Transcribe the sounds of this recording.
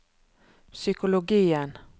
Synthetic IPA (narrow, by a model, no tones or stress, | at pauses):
sʏkʊlʊɡiːən